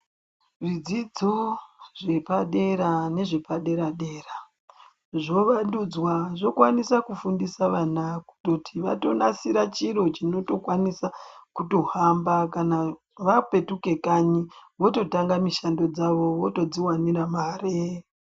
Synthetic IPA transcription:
ʐid͡zid͡zoʐe̞paɗe̞ɾane̞ʐe̞paɗe̞ɾaɗe̞ːra | ʐo̞ʋandud͡zwaʐo̞kwanisakufundisaʋanaku̥to̞tʰiʋa̰to̞nasiɾat͡ʃiɾo̞t͡ʃino̞to̞kwanisakuto̞ɦambakana | ʋape̞tuke̞kaɲiʋo̞to̞taŋɡamiʃando̞d͡zaʋo̞ʋo̞to̞d͡ziwaniɾamaːre

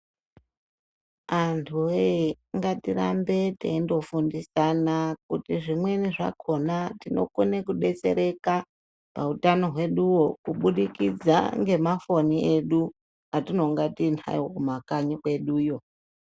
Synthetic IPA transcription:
antʰueaŋɡatiɾa̰mbe̞tḛindo̞fundisanakutiʐimwe̞niʐa̰ko̞natino̞̰kunekuɗe̞t͡se̞ɾe̞ka | pautano̞ɦwe̞ɗuwo̞kuɓuɗikid͡za̰ŋɡe̞mafo̞nieɗu | atino̞ŋɡatinʰa̰okumakaɲikwe̞ɗuːjo̞

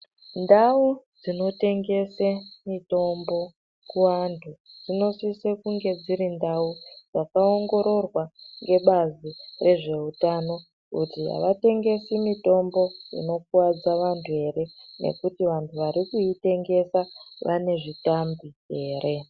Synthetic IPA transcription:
ndaud͡zino̞te̞ŋɡe̞semito̞mbo̞ | kuʋantʰud͡zino̞sisekuŋɡe̞d͡ziɾindaud͡zakao̞ŋɡo̞ɾo̞rwaŋɡe̞ɓazire̞ʐe̞utano̞ | kutia̰ʋate̞ŋɡe̞simito̞mbo̞ḭno̞k̚uwad͡zaʋantʰue̞ɾe̞ne̞̰kutiʋantʰuʋaɾikuite̞ŋɡe̞saʋane̞ʐitambie̞ːɾe̞

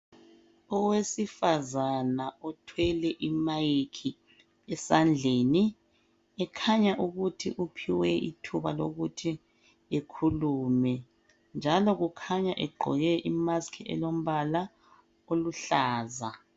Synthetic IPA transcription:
ɔwesifazanaɔtʰwɛlɛʔimajikʰi | ɛsand͡ɮʱeːni | ɛkʰaɲaʔuɣutʰḭʔupʰiwɛḭtʰuβa̰lo̰ɣutʰi | ekʰuluːmɛ | nd͡ʒʱalɔɣukʰaɲaʔɛɡ͡ǃʱɔ̰jɛʔimaskʰiɛ̰lom̩βala | oluɬaːza

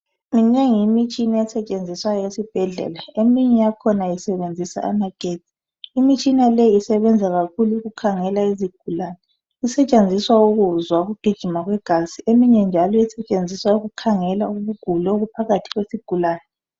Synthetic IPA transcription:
mineŋimit͡ʃʼinaɛsɛt͡ʃʼend͡zʱiswajɔesib̥ʱɛɮɛ̰laemiɲɛjakʰɔnajisɛβend͡zʱisa̰a̰maɡ̥ʱe̥zʱʼi̥ | imit͡ʃʼinalɛjiːsɛβɛnd͡zʱaɣakʰuluuɣukʰaŋɛlaiziɡ̥ʱulaːnɛ | isɛt͡ʃʼend͡zʱiswauɣuzwauɣuɡ̥ʱid̥ʒ̥ʱimaɣwɛɡ̥ʱaziemiɲɛnd͡ʒʱalɔisɛt͡ʃʼend͡zʱiswauɣukʰaŋɛlauβuɡ̥ʱulɛoɣupʰaɣatʰi̥ɣwesiɡ̥ʱulaːnɛ

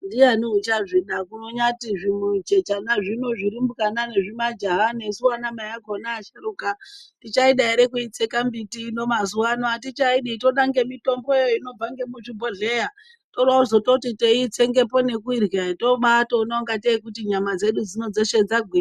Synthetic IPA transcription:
ndijaniut͡ʃaʐiɗakuno̞ɲatiʐimud͡ʒe̞t͡ʃanaʐino̞ʐiɾimbukanane̞ʐimad͡ʒaɦane̞suwanamajaɡʱonaːʃaɾukatit͡ʃaiɗaiɾekuit͡sekambitino̞mazuwanatit͡ʃaiɗito̞ɗaŋɡe̞mito̞mbo̞ejoino̞b͡vaŋɡe̞muʐibʱoɮe̞ja | to̞rwauzo̞tokutiteit͡se̞ŋɡe̞po̞ne̞kuirɣeto̞ɓatoːnaoŋɡateikutiɲamad͡ze̞ɗud͡zino̞d͡zoʃed͡zaɡʱwi

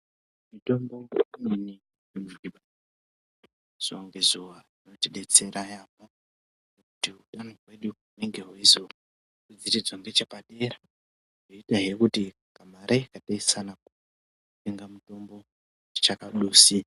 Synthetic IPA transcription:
mito̞mbo̞inini | imiɓa | z̥uaŋɡezuʋarino̞tiɗe̞t͡se̞ɾajaːpa | nekutiuɗanorwe̞ɗuuneŋɡe̞ɦweizo | kud͡ziɾid͡zwoŋɡe̞t͡ʃepaɗe̞ɾa | ʐoitaɦiekuti | kamaɾekataisanaku | teŋɡamuto̞mbo̞ | t͡ʃakaɗuːsi

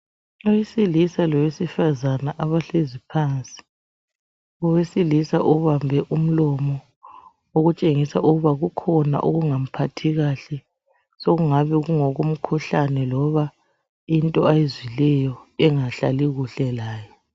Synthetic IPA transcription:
ɔjisilisalɔwesifazanaʔaβaɬezipʰant͡sʼi̥ | ɔwesilisa̰ʔuβambʱɛʔum̩lɔmɔ | oɣut͡ʃʼeŋisaʔuɣuβaɣukʰɔna̰ʔoɣuŋam̩pʰatʰiɣaɬɛ | soɣuŋaβɛɣuŋɔɣum̩kʰuɬanɛlɔβa | intʼɔajezwilɛjɔɛŋaɬa̰liɣuɬɛlaːjɔ

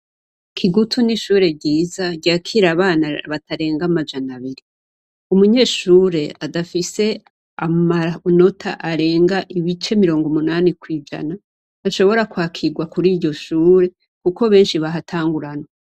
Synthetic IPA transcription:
kʰiɡutʰuniʃuːɾe̞bɟiːzaɟaːkʰiɾaβaːnaβatʰaɾe̞ːŋɡamad͡ʒanaβiɾi | umuɲe̞ːʃuːɾe̞adafise̞ | amaɾano̞tʰa̰ʔaɾe̞ːŋɡaʔiβit͡ʃe̞miɾo̞ːŋɡomunaːnikwiːd͡ʒa̰naː | ʃo̞βo̞ɾakwaːkʰiɡwakuɾiːɾɟo̞ʃuːɾe̞ | kuko̞βe̞ːnʃiβaɦatʰaːŋɡuɾano

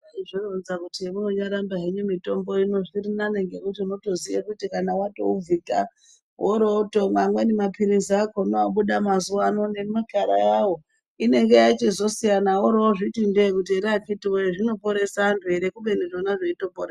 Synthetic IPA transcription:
aiʐoronzakutiemuno̞ɲaɾambaɦeɲumito̞mbo̞ino̞ʐirinane̞ŋɡe̞kutino̞to̞zijekutikanawato̰uvika | ɦoɾoːtomwamwenemapiɾiziakonoaɓuɗamazuwaːno̞ne̞makaɾa̰jawo | ine̞ŋɡe̞jait͡ʃezo̞sijanawoɾooʐitindekut̬ieɾakitiwoeʐino̞po̞ɾe̞santʰuɦe̞ɾekuɓe̞niʐonaʐeito̞porɾea

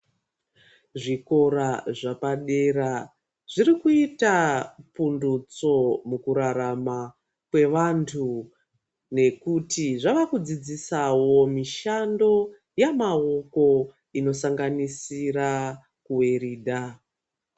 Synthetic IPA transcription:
ʐiko̞ɾaʐapaɗe̞ra | ʐ̥irikuitapundut͡so̞mukuɾaɾama | kwe̞ʋantʰu | ne̞kutiʐaʋakud͡zid͡zisawo̞miʃando̞ | jamaoko̞ | ino̞saŋɡanisira | kuweɾiːdʱa

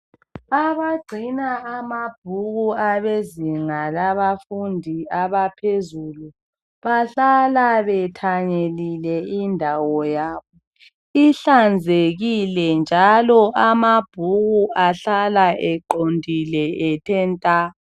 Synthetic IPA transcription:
aβaɡ͡ǀʱinaːmab̥̚ʱuɣuaβeziŋalaβafundʱiaβapʰezulu | βaɬalaβɛtʰaɲelilɛindʱawɔjaːβɔ | iɬand͡zʱeɣilɛnd͡ʒʱalɔʔamab̥ʱuɣuʔaɬalaɛǃondʱilɛɛtʰɛntʼa

